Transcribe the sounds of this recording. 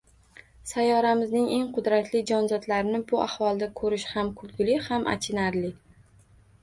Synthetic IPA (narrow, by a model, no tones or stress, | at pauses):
sajɒɾamɪznɪŋe̞ŋqʰʊd̪ɾat̪lɪd͡ʒɒnzɒd̪laɾɪnɪbʊʔahwɒlˠd̪akʰɵɾɪʃhamkʰʊlˠɡʲɪlɪhamʔa̰t͡ʃʰɪnaɾlɪ